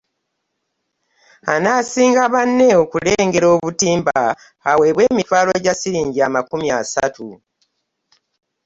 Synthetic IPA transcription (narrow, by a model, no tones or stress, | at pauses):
anaːsiːŋɡaβanːe̞o̞kule̞ːŋɡe̞ɾo̞ːβutiːmbaː | we̞ːβwe̞ːmitwaːloɟasiɾiːɲɟiamakumjasa̰tʰu